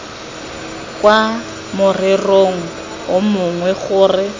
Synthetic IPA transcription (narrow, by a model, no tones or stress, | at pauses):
kʼwa | mʊrɪroŋ̩ | ʊmʊŋwɛɣʊːrɪ